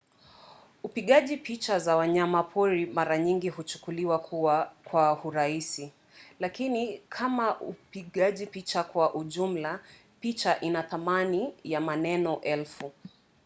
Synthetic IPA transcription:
upiɠaʄipit͡ʃazawaɲamapʰɔɾimaɾaɲiŋɡihut͡ʃu̥kuliwakʰuwakwahuɾaisi | lakinikʰamaʔupiɠaʄipit͡ʃakwaʔuʄum̩la | pit͡ʃaʔinaθamanijamanɛnɔʔɛlfu

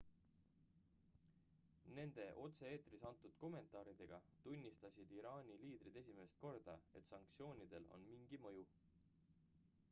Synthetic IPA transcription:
ne̞nd̪̥e̞ʔo̞t̪se̞eːt̪risɑnt̪ːˑud̪̥ko̞me̞nt̪ˑɑːɾid̪̥e̞ɡ̥ɑt̪unʲːist̪ɑsʲid̪̥iɾɑːnʲiliːd̪ɾid̪̥e̞s̬ʲime̞st̪̚ko̞rd̪̥ɑe̞̰t̪sɑŋk̚t̪sio̞ːnʲid̪̥e̞lo̞̰nmiŋɡ̥imɤju

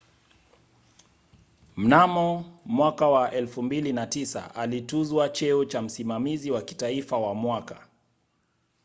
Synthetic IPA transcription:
m̩namɔmwakawaʔɛlfumbilinatisa̰ʔalituzwat͡ʃɛut͡ʃam̩simamiziwaki̥taifawamwaka̰

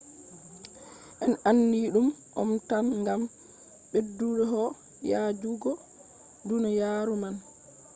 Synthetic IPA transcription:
ʔɛnanːiɗumʔɔ̰mtanŋɡam | ɓedːuɾɛɦɔ | jad͡ʒuɡɔ | dunajaːɾuman

